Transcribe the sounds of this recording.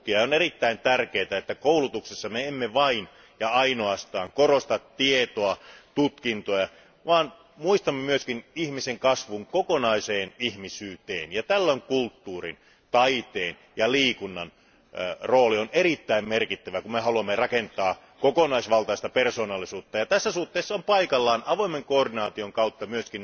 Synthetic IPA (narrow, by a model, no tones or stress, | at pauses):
kiɑonerit̪ːæint̪ærkeːt̪æet̪ːækoulut̪uksesːɑmeemːeʋɑin | jɑɑinoɑst̪ɑːŋkorost̪ɑt̪tiet̪oɑt̪ut̪kint̪ojɑ | ʋɑːn | muist̪ɑmːɑmyøskinihmiseŋkɑsʋuŋkokonɑiseːnihmisyːt̪ḛːnjɑt̪ælːoiŋkult̪ːuːrḭn | t̪ɑit̪eːn | jɑliːkunːɑn | roːlionerit̪ːæimmerkit̪ːæʋækummehɑluɑmːerɑkent̪ɑː | kokonɑisʋɑlt̪ɑist̪ɑpersoːnɑlːisuːt̪ːɑjɑt̪æsːæsuht̪ːeːsːɑompɑikɑlːɑːnɑʋoimeŋkooːrdinɑːt̪ioŋkɑut̪ːɑmyøskin